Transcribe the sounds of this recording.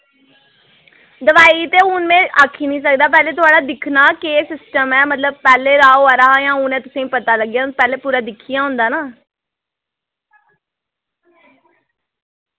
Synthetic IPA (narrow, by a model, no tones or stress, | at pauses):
d̪əʋaːiːt̪eːʊnmẽːʔaːkʰːiːnĩːs̬ək̚d̪aːp̬ɛːleːt̪ʊaːɖaːd̪ɪkʰnaːkeːsɪsʈəmɛːmət̪ləb̚pɛːleːɾaːoːaːɾaːɦajãːʊnɛ̃ːt̪ʊsẽːipət̪aːləɡjaːpɛːleːpuːɾaːd̪ɪkʰːijãːɦʊ̃ːnd̪aːnaː